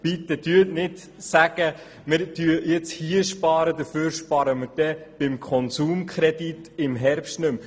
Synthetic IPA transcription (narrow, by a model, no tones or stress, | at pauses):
pit̪ːədyənɪt | sæɡ̥ə | mɪɾtyəjɪt͡shiəʃpɑːɾəd̪əɾføːɾʃpɑɾəməɾd̥ɛb̥ɪmkʰɔnsuːmkʰχɾɛd̪itɪmɦɛɾpʃtnɵm